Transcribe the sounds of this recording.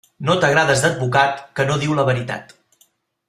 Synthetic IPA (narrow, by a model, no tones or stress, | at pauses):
not̪əɣɾaðəzd̪əd̪̚βukat̪kənoðiwləβəɾit̪a̰t̪